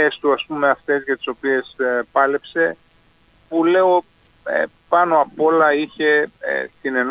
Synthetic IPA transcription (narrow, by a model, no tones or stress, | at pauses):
est̪uɐspume̞ɐft̪e̞zʝɐt̪i̥so̞pie̞spɐle̞pse̞ | pule̞o̞̰ | pɐno̞ɐpo̞lɐiçe̞̰t̪ine̞n